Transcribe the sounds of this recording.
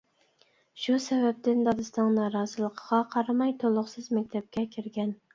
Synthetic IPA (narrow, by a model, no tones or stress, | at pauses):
ʃusɛvɛp̚t̪ɪnd̪ɑd̪ɨst̪ɑŋnɑːɾɑːzɨlˠəqʰəʁɑqʰɑɾɑmɑjt̪ʰolˠʊχsɨzmæk̚ʲt̪ʰɛp̚kʲʰɛkʲʰiɾɡʲɛn